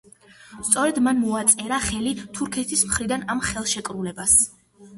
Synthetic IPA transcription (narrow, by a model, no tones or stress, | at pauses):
st̪sʼɔɾɛd̪manmɔat̪sʼɛɾaχɛlit̪ʰuɾkʰɛt̪ʰismχɾid̪anamχɛlˠʃɛkʼɾulɛbas